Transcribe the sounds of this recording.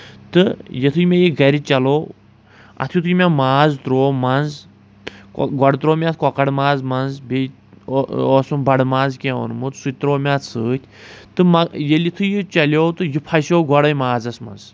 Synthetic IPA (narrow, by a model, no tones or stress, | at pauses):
t̪ɨjet̪ʰɨjmʲejiɡɐɾʲit͡ʃɐloː | ɐ̰t̪ʰjut̪ʰujmʲamaːzt̪ɾoːmɐnz | kɡɔɽt̪ɾoːmʲat̪̚ʰkɔkɐɽmaːzmɐnzbʲe | ɔsumbɐɽmaːnzkʲeʋɐ̰nmɨt̪sut̪ɾoːmʲat̪ʰsɨːt̪ʲʰt̪ɨmɐjelʲit̪ʰɨjit͡ʃɐlʲot̪ɨjipʰajsowɡɔɽɐjmaːd͡zɐsmɐ̰nz